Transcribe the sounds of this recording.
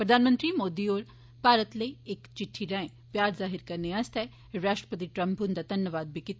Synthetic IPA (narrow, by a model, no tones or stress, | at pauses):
pɾɐd̪ʱaːnmə̃nt̪ɾimoːd̪ioːɾ | paːɾət̪leeːkt͡ʃɪʈʰːiɾɐ̃ẽ | pjaːɾzaːɦɪɾkɐɾneast̪ɛ | ɾaːʃʈɾə̥pət̪̬iʈɾɐ̃mpːund̪ad̪ʱɐnjəʋaːd̪̚bʱikɪt̪